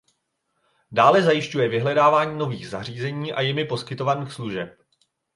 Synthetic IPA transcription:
daːlɛzajɪʃcujɛvɪɦlɛdaːvaːɲiːno̞viːɣzar̝iːzɛɲiːʔa̰jɪmɪpo̞skɪt̪o̞vaniːxsluʒɛp̚

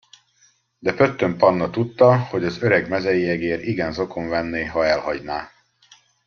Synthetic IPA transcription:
d̪ɛpø̞t̪ːømpɒnːɒt̪ut̪ːɒho̞ɟɒzø̞ɾɛɡmɛzɛjiɛɡeːɾiɡɛnzo̞ko̞ɱvɛnːeːɦɒɛlhɒɟnaː

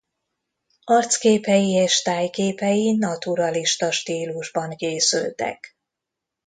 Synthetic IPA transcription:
ɒrt̪skeːpɛjieːʃt̪aːjkeːpɛjinɒt̪uɾɒliʃt̪ɒʃt̪iːluʒbɒŋkeːsy̰lt̪ɛ̰k

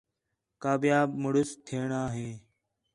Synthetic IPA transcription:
kaːbjaːbməɽʊst̪ʰeːɳaːɦẽː

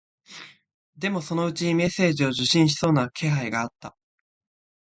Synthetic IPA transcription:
d̪e̞mo̞so̞no̞ɯ̟t͡ɕime̞sːe̞ːʑio̞ʑɨɕĩɰ̃ɕ̬i̥so̞ːnakʰe̞ɦaiɡaːt̪ːa

